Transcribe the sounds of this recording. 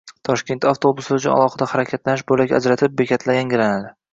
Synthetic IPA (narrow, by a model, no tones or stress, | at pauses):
t̪ʰɒʃkʲe̞nt̪ʰaft̪ʰo̞bʊsʊt͡ʃʰʊna̰lˠɒχɨd̪ahaɾakʲʰat̪lanɪʃbolakʲa̰d͡ʒɾat̪ʰɪp̚bekʲʰat̪ʰlaɡʲanɡʲɪɾanalɪ